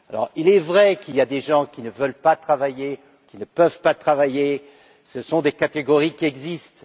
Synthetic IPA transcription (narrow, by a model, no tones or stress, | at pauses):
alɔ̰ʁilɛvʁɛkiljad̪eʒɑ̃kʲinəvəlpat̪χavaje | kʲinəpœvpat̪χavaje | səsɔ̃d̪ekat̪eɡɔʁikʲiɛɡzist̪